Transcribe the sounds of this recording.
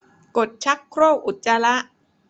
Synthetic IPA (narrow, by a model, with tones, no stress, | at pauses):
ko˨˩t̪̚t͡ɕʰa˦˥kʰːɾoː˥˩wʔu˨˩t̪̚t͡ɕa˧la˦˥ʔ